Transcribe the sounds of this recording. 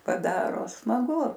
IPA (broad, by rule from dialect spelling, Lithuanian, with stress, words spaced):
pɐˈdɑːroː smɐˈɡʊ